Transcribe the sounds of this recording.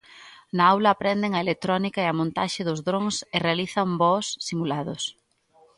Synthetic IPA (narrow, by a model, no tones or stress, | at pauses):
nɐawlɐːpɾɛnd̪ɪŋɐelet̪ɾɔnikaeɐmõnt̪a̰ʃɪðʊzðɾoŋsɪrealiθɐmbɔsːimulaðʊs